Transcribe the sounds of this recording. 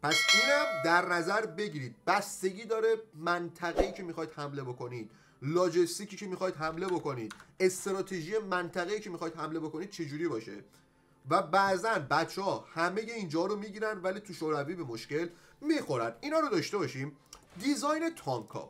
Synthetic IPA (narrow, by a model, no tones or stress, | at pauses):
pʰæsiːnæmd̪æɾnæzæɾbe̞ɟiɾiːd̪̥̚bæst̪e̞ɟiːd̪ɒːɾe̞mænt̪ʰæɣeiːcʰe̞mixɒːid̪̥hæmle̞bo̞ko̞niːd̪̥̚ | lɒːd͡ʒest̪icʰiːcʰemixɒːjd̪ɦæmle̞bo̞ko̞niːd̪̥e̞st̪ɾɒːt̪ʰeʒije̞mænt̪ʰæɣeiːcʰe̞mixɒːid̪̥hæmle̞bo̞ko̞niːd̥̪̚t͡ʃʰe̞d͡ʒuɾibɒːʃe̞̰ | væbæʔzænbæt̪t͡ʃʰːehɒhæme̞je̞ind͡ʒɒɾomiɟiɾænd̪væliːt̪ʰuʃoɾæviːbemo̞ʃce̞l | mixo̞ɾænd̪inɒːɾod̪ɒːʃt̪e̞bɒːʃim | d̪izɒjne̞t̪ʰɒŋkʰɒ̰